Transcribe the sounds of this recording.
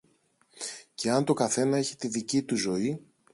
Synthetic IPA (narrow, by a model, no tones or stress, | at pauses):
ce̞ɐnt̪o̞kɐθe̞nɐe̞çi̥t̪iðicit̪uzo̞i